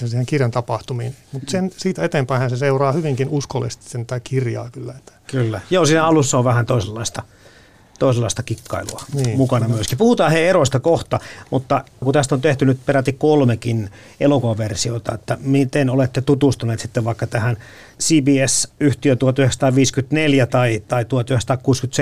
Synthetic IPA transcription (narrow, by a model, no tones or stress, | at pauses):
ensiːheŋkirjɑnt̪ɑpɑht̪umiːnmut̪sensiːt̪æet̪empæihænseseurɑːhyʋiŋkinuskolːḭst̪i̥senækirjɑ̰ːkylːæet̪ːæ̥kylːæjoːsiːnæɑlusːɑoʋʋæhænt̪oiselːɑist̪ɑ | t̪oˑiselːɑist̪ɑkikːɑ̰ilṵɑniːmukɑnɑmyøskipuhut̪ɑːheeroist̪ɑkoht̪ɑmut̪ːɑkut̪æst̪ont̪eht̪ynyt̪peræt̪ːikkolmekin | elokoɑʋersiot̪ɑ̰et̪ːæmit̪enolet̪ːet̪ut̪ust̪uneːt̪si̥t̪ːeʋʋɑikːɑt̪æhæn | siːbiːesyht̪iøt̪uhot̪yheksɑt̪ɑːʋiːskyt̪neljæt̪ɑit̪ɑit̪uot̪yhekst̪ɑːkkuːskyt̪s